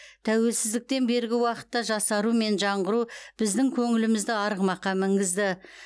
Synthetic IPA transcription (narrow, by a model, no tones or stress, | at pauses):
t̪ʰæwe̞lsɪzd̪ɪk̚t̪e̞nbe̞ɾɡʲɪwɑqə̥t̪ːɑʒɑsɑɾume̞nʒɑɴʁəɾub̥ɪzd̪ɪŋkʲʰɵŋɪlɪmɪzd̪ɪɑɾəʁəmɑqːɑmɪŋɡʲɪzd̪ɪ